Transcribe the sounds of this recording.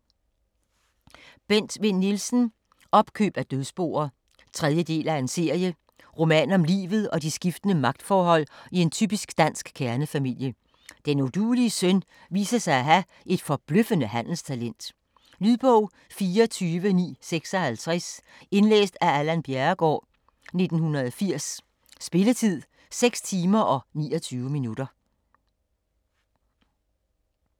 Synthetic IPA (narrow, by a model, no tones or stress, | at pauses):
b̥en̰d̥ʋe̝nːilsn̩ | ɒ̽b̥kʰø̰ːb̥æd̥øðˠsb̥o̝̰ːɐ | t͡sʰʁɛð̞ˠjəd̥e̝̰ːlæe̝nse̝ɐ̰jə | ʁo̝mɛ̰ːnɒ̽mlḭːʋð̞̩ˠɒ̽d̥isɡ̥ifd̥ənəmɑ̈ɡ̥̚d̥fɒːɦɒ̽l̰ie̝nt͡sʰyːb̥isɡ̥d̥æn̰sɡ̥kʰːæɐnəfæmil̰jə | d̥enod̥uːliəsøn | ʋḭːsɐsɑ̈ɪæɦæ | ʔe̝d̥fɒ̽b̥løfənəhæn̰l̩st͡sʰælen̰d̥ | lyðˠb̥ɔʊ̰ | fiːɐt͡sʰyːʋənḭːseɡ̥sɒ̽hælt͡sʰʁɛs | e̝nlḛːsd̥æælænb̥jæɐɡ̥ɒ̰ː | ne̝d̥n̩hunɐðˠfiɐ̰sː | b̥e̝lət͡sʰið̰ˠ | seɡ̥st͡sʰiːmɐʔɒ̽nḭːɒ̽t͡sʰyːʊəminud̥ɐ